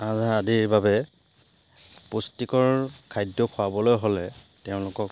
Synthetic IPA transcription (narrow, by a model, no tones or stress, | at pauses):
azaadiɹbabɛ | postikɔɹkʰajdɔkʰʊabɔlojɦolɛteʊ̃lʊkɔk